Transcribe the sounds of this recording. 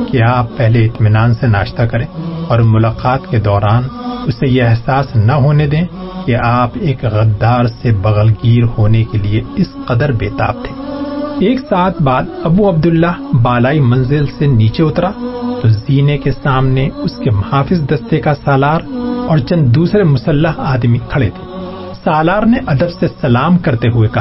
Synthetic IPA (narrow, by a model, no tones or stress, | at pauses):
keaːpːɛɦleɪt̪mɪnaːnsena̰ːʃt̪akɐɾẽːɔːɾmʊlaːqaːt̪ked̪ɔːɾaːnʊsejeɛɦsaːsnɐɦoːned̪ẽːkeʔaːpeːkɣɐd̪ːaːɾsebɐɣəlɡiːɾhoːnekelieɪsqɐd̪əɾbeːt̪a̰ːb̚t̪ʰẽːeːksaːt̪ʰbaːd̪ɐbuɐb̚d̪ʊlːaɦbaːlaːimɐ̃nzɪlseniːt͡ʃeʊt̪ɾat̪oziːnekesaːmneʊskemɐhaːfɪzd̪ɐst̪ekasaːlaːɾɔːɾt͡ʃɐ̃nd̪d̪uːsɾemʊsɐlːəɦaːd̪mikʰɐɽed̪eː | saːlaːɾneʔɐd̪əbsesɐlaːmkɐɾt̪eɦʊekɐ